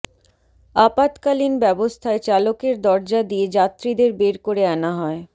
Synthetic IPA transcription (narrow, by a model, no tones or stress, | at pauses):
apat̪kalinbɛbost̪ʰaet͡ɕalokeɾd̪ɔɾd͡ʑad̪ied͡ʑat̪ːɾid̪eɾbeɾkoɾeanaɦɔe